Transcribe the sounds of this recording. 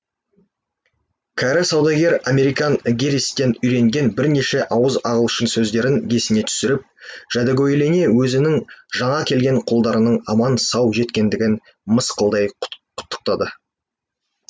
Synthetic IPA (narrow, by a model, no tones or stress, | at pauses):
kʲʰæɾɪsɑwd̪ɑɡʲe̞ɾame̞ɾijkɑŋɡʲeɾist̪ːe̞nʏjɾe̞ŋɡʲe̞nbɪɾne̞ʃe̞ʔɑwəzɑʁəlˠʃəɴsɵzd̪e̞ɾɪŋɡʲʰe̞sɪne̞t̪ʰʏ̥sɪɾɪp̚ʒ̥æd̪ɑɡʲojle̞ne̞wɵzɪnɪŋʒɑɴɑkʲʰe̞lɡʲe̞ɴqʰolˠd̪ɑɾənəɴɑmɑnsɑwʒe̞t̪kʲe̞nd̪ɪɡʲɪn | məsqəlˠd̪ɑjqʰʊ̥t̪ːə̥q̚t̪ɑd̪ə